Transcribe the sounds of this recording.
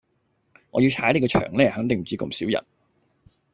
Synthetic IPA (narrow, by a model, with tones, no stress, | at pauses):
ŋɔ̰ː˨˧ji˧wt͡ʃʰaː˨˥jle˨˧kɔː˧t͡ʃʰœ̰ː˨˩ŋlɛː˥hɐ˨˥ŋt̪ɪ˨ŋm̩˨˩t͡siː˨˧ko̰˧˩msiː˨˥wjɐ̰˨˩n